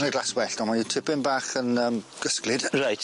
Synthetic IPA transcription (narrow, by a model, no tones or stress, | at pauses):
niɡlˠaswɛɬtɔmanitʰɪpɪmbaːχənəːmɡ̥əsklɪd̥rajt